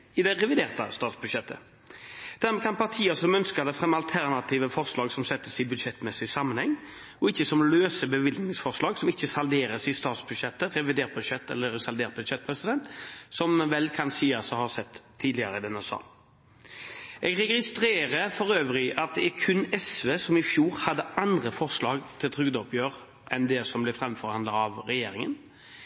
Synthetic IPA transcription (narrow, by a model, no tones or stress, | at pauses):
ɪd̪ɛɾɛʋɪd̪eːʁt̪ə̰st̪ɑːt̪sbʉd̪ʃɛt̪ʰːə̰ | d̪̥æɾmɛːkʰɑnpʰɑʁt̪ʰiːəsɔmœnskəʁd̪ɛfʁɛmːɑlt̪ʰæʁnɑt̪ʰiːʋəfɔʁslɑːɡsɔmsɛt̪ːəsɪbʉd̪ʃɛt̪ːmɛsɪsɑmːənhɛŋː | ɔɪçːəsɔmløːsəbəʋɪlnɪŋsfɔʁʂlɑːɡsɔmɪçːəsɑld̪eːɾəsɪst̪ɑːt̪sbʉd̪ʃɛt̪ːəʁɛʋɪd̪eːʁt̪̚bʉd̪ʃɛt̪ːɛ̰lːəɾsɑld̪eːʁt̪̚bʉd̪ʃɛt̪̚ːpʰɾɛsɪd̪ɛnt̪sɔmʋɛlkʰɑnsiːɑsɔhɑʁsɛt̪ʰːiːd̪lɪəɾəd̪ɛnɛsɑ̰ː | ʔɛɡʁɛɡɪst̪ɾeːɾəfɔɾøːʋɾɪʔɑt̪̚d̪ɛæɾkʰʉnɛsʋeːsɔmɪfjuːɾhɑd̪ːəʔɑnd̪ʁəfɔʁslɑːɡt̪ʰɪlt̪ʰɾʏɡd̪ɔpʰjøːɾ | ʔɛnd̪ɛsɔmblɛfɾʁɛmfɔɾhɑnd̪əɾɑʋɾɛjeːɾɪŋə̰n